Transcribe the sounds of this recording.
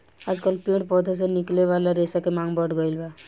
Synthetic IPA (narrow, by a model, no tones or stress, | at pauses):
ad͡ʒkəlpĩɽpɔd̪ʱas̬enikleβalaɾesakemaŋbəʈɡʌjlba